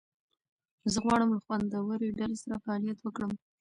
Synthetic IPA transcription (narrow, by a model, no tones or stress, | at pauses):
zəɣwɑɽəmləxwand̪awəɾoɖalesaɾafaɑlijat̪wəkɽəm